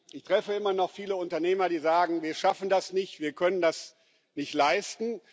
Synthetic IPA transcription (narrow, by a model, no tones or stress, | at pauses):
ʔɪçtʁ̥ɛfəɪmɐnɔχfiːləʊntɐneːmɐɾiːzaːɡŋ̩viːɐʃafn̩dasnɪçtv̥iːɐkʰœnəndas | nɪçtlaɪstn̩